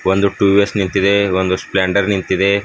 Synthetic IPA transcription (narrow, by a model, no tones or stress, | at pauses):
ʋond̪uʈuːʋesnint̪id̪eʋond̪uspleːɳɖɐɾnint̪id̪e